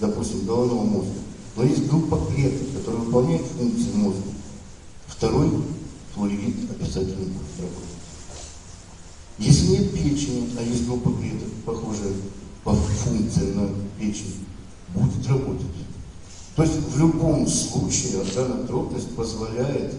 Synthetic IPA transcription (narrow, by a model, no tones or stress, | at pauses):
d̪ɐpusʲtʲɪmɡəlˠɐvno̞vəmo̞zɡ̪ə | nojesʲtʲɡɾupːəkɾʲet̪əfkɐt̪o̞ɾɨəvɨpɐlˠnʲæjɪt̪fuŋk̚t̪sɨjɪmozɡ̪ə | ft̪ɐɾo̞jt̪olʲvʲint̪ɐpʲɪ̥satʲɪlʲnəbudʲɪt̪rɐbo̞t̪ətʲ | jesʲlʲɪnʲet̪̚pʲet͡ɕnʲɪɐjesʲt̚ʲɡɾupːəkɾʲet̪əfpɐxoʐɨjəpɐfunk̚t̪sɨɪnɐpʲet͡ɕɪnʲɪ | budʲɪt̪rɐbo̞t̪ətʲ | t̪o̞jɪsʲtʲvlʲʊbo̞mslˠut͡ɕɪɪɐd̪anat̪ɾo̞d̪nəsʲtʲpəzvɐlʲæjɪt̪